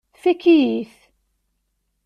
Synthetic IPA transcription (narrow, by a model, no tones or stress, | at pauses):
θækːijiθ